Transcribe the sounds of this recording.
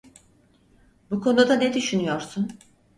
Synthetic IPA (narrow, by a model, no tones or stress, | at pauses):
bukʰo̞nud̪aned̪yʃynyjoɾsun